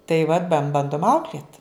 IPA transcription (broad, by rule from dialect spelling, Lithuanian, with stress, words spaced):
tɐɪ ʋɐt bɐn ˈbɐndʊm ˈɐʊklʲeːt